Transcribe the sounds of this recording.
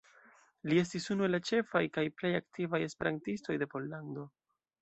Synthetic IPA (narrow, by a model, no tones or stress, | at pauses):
lie̞s̬tisunue̞lːat͡ʃe̞fajkajple̞jaktivaje̞spe̞ɾantisto̞jde̞po̞lːando̞